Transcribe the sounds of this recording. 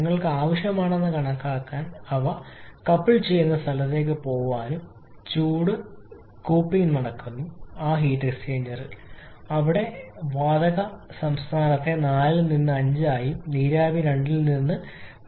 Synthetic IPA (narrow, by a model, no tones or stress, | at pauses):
ŋːɐɭkɨaːʋɐʂjɐmaːɳe̞nːɨkɐɳɐkːaːkːaːnɐʋɐkɐpːiɭt͡ɕe̞jːunːɐst̪ʰɐlɐt̪ːe̞ːk̬ːɨpo̞ːʋaːnum | t͡ɕuːɽɨ | kuːpːiŋnnɐɽɐkːunːuaːɦiːʈːeksʈeːɲd͡ʑɐrɨ | ɐʋiɽe̞ʋaːd̪ɐɣɐsɐmst̪ʰaːnɐt̪ːe̞naːlilninːɨɐɲd͡ʑɨaːjiniːɾaːbiɾe̞ɳɖilninːɨ